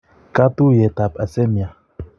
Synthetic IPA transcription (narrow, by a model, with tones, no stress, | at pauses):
ka˦tu˦jɛ˨t̪a˨pa˨sɛ˦mi˨a˨